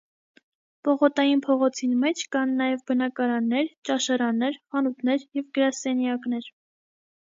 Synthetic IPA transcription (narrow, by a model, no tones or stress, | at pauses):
pɔʁɔt̪ɑjinpʰɔʁɔt͡sʰinmɛt͡ʃʰkɑnːɑjɛvbənɑkɑɾɑnːɛɾt͡ʃɑʃɑɾɑnːɛɾχɑnut̪ʰnɛɾjɛvɡəɾɑsɛnjɑknɛɾ